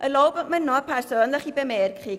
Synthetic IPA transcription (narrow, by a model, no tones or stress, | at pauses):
ʔəlowbəmənɔpʰɛrsoːnləχibəmɛːrkχi